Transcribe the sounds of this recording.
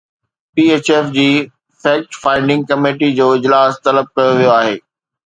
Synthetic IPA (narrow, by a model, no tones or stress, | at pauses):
piːeːt͡ɕɛːfd͡ʑiː | fɛːk̚ʈfãːɪ̃ɳɖɪ̃ŋɡ̚kɐmeːʈid͡ʑoːɪd͡ʑlaːst̪ɐləb̚kɐjoʋijoaːɦeː